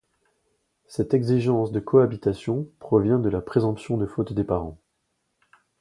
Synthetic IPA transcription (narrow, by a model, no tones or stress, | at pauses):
sɛt̪ɛɡziʒɑ̃sd̪əkʰɔabit̪asjɔ̃pχɔvjɛ̃d̪əlapχezɑ̃psjɔ̃d̪əfot̪d̪epaʁɑ̃